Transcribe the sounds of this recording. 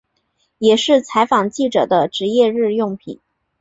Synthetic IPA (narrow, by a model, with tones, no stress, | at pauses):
jɛ˨˩ʂɻ̩˥˩t͡sʰa˧˥ɪfɑ˨˩ŋt͡ɕi˥˩ʈ͡ʂɤ˨˩d̪ə˦ʈ͡ʂɻ̩˧˥jɛ˥˧ɻɻ̩˥˧jʊ˥˩ŋpʰḭ˨˩˦